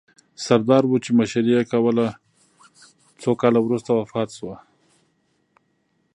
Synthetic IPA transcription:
saɾd̪ɑɾwut͡ʃemaʃaɾijakawəla | t͡sokɑlawɾust̪awafɑt̪ʃwa

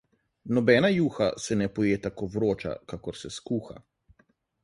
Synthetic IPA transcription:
nɔbɛːnajuːxasɛnɛpɔjeːt̪akoʋɾoːt͡ʃa̰kakɔɾsɛskuːxa̰

